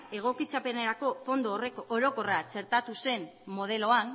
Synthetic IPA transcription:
e̞ɣ̞o̞kit͡sape̞neɾako̞fo̞nd̪oreoɾo̞ko̞rat͡se̞ɾt̪at̪use̞nːo̞ð̞e̞lo̞an

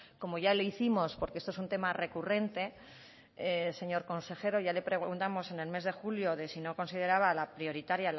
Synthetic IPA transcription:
ko̞mo̞ʝaloiθimo̞spo̞ɾkeest̪oesunt̪e̞mare̞kure̞nt̪e̞ | ese̞ɲo̞ɾko̞nse̞xe̞ɾo̞ʝale̞pɾe̞ɣɣunt̪amo̞se̞ne̞lme̞zðe̞xuljo̞ðe̞sino̞ko̞nsið̞e̞ɾaβalapɾio̞ɾit̪aɾjal

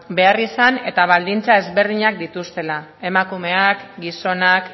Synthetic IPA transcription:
be̞arisane̞t̪aβ̞ald̪int͡sae̞zβe̞ɾð̞iɲakd̪it̪ust̪e̞la | e̞makume̞akɡiso̞nak

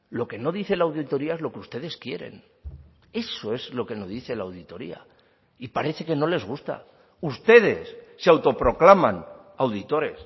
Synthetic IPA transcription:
lo̞ke̞no̞ðiθe̞lawðit̪o̞ɾiaezlo̞keust̪e̞ðe̞skje̞̰ɾe̞̰n | e̞so̞e̞zlo̞ke̞no̞ðiθe̞lawðit̪o̞ɾḭa̰ | ipaɾe̞θe̞ke̞no̞le̞zɣust̪a̰ | ust̪e̞ð̞e̞sːeawt̪o̞pɾo̞klaman | awðit̪o̞ɾe̞̰s

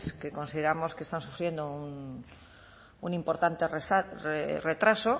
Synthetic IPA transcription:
skeko̞nsiðeɾamo̞ske̞st̪ansufɾje̞nd̪oun | unimpo̞ɾt̪ant̪eresareret̪ɾaso

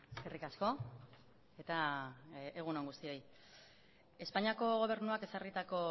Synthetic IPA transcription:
eskerikasko̞ | e̞t̪a | eɣ̞unoŋɡust̪io̞j | e̞spaɲiako̞ɣ̞o̞β̞e̞ɾnuake̞sarit̪ako̞

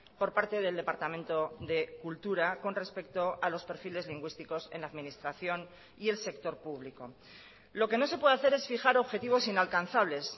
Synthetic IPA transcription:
po̞ɾpaɾt̪e̞ðe̞ld̪e̞paɾt̪amẽnt̪o̞ðe̞kult̪uɾako̞nre̞spe̞kt̪o̞alo̞spe̞ɾfile̞zliŋɡwist̪iko̞se̞̰nlaːðmĩnist̪ɾaθjo̞n | ie̞lsekt̪o̞ɾpuβ̞liko̞̰ | lo̞ke̞no̞sepwe̞ðeaθe̞ɾe̞sfixaɾo̞βxe̞t̪iβ̞o̞sinalkanθaβ̞le̞s

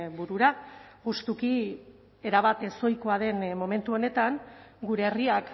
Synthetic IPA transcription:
buɾuɾa | ɣust̪uki | e̞ɾaβat̪e̞so̞jkoaðe̞nmo̞me̞nt̪uo̞ne̞t̪aŋɡuɾe̞ːriak

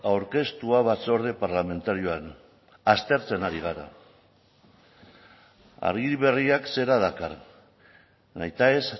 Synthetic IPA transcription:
awɾke̞st̪uaβ̞at͡so̞ɾð̞e̞paɾlame̞nt̪aɾio̞an | ast̪e̞ɾt͡se̞naɾiɣ̞aɾa̰ | a̰ɾɣiβe̞riakse̞ɾaðakar | najt̪ae̞s

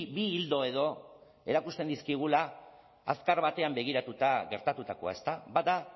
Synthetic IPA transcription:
biːld̪o̞e̞ð̞o̞ | e̞ɾakust̪e̞nd̪iskiɣ̞ulaː | skaɾβat̪e̞ambe̞ɣ̞iɾat̪ut̪aɣe̞ɾt̪at̪ut̪ako̞a̰e̞st̪abaða

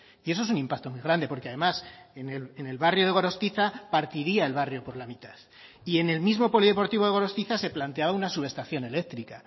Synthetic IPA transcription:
ie̞soesunĩmpak̚t̪o̞mwijɣ̞ɾand̪e̞po̞ɾkeaðe̞masenelene̞lβarjo̞ðe̞ɣo̞ɾo̞st̪iθapaɾt̪iɾiae̞lβ̞arjo̞po̞ɾlamit̪aθ | ie̞ne̞lmizmo̞po̞liðe̞po̞ɾt̪iβo̞ðeo̞ɾo̞st̪iθase̞plant̪e̞aβaunasuβe̞st̪aθjo̞ne̞le̞k̚t̪ɾika

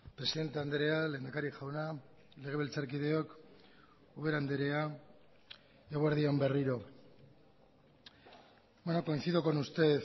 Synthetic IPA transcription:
pɾe̞siðe̞nt̪e̞and̪eɾeale̞ːnd̪akaɾikʝawna | le̞ɣ̞e̞βe̞lt͡saɾkiðe̞o̞k | uβe̞ɾand̪eɾe̞a | eɣoeɾðio̞mbe̞riɾo̞ | bwenoko̞inθiðoko̞nust̪e̞ð

